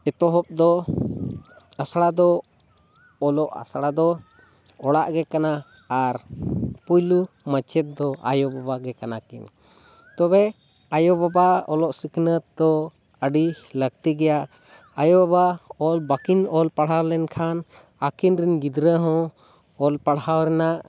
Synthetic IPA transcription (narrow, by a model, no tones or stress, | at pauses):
ɛt̪ɔɦɔp̚d̪ɔ | asɽad̪ɔ | lɔʔa̰sɽad̪ɔ | ɔɽaʔɡɛkanaː | ɾpujlu | mat͡ʃʰɛt̪̚d̪ɔʔa̰jɔbabaɡɛkanakḭn | t̪ɔbɛ | ajɔbabaɔlɔʔsiknət̪̚d̪ɔ | əɖiləkt̪iɡɛjaʔ | ajɔbabaɔlbakinɔlpaɽɦawlɛnkʰan | akinɾinɡid̪ɾəɦɔ̃ | ɔlpaɽawɾɛnaʔ